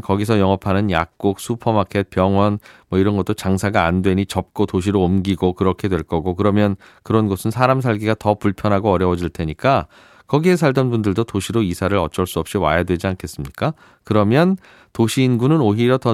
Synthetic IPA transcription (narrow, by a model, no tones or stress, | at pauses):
kʌɡisʰʌjʌŋʌpʰanɯnjak̚k͈ok̚sʰupʰʌmakʰe̞t̚pjʌŋwʌnmwʌiɾʌnɡʌt͈ot͡ɕaŋsʰaɡaːndwe̞ɲit͡ɕʌp̚k͈otoɕʰiɾoːmɡiɡokɯɾʌkʰe̞dwe̞ɭk͈ʌɡokɯɾʌmjʌn | kɯɾʌnɡʌsʰɯnsʰaɾamsʰaɭɡiɡatʌpuɭpʰjʌnɦaɡoʌɾjʌwʌd͡ʑiɭtʰe̞ɲik͈a | kʌɡie̞sʰaɭdʌnbundɯɭdotoɕʰiɾoisʰaɾɯɾʌt͡ɕ͈ʌɭs͈uʌp̚ɕ͈iwa̰jadwe̞d͡ʑiankʰe̞s͈ɯmɲik͈a | kɯɾʌmjʌn | toɕʰiːnɡunɯnoɦijʌtʌ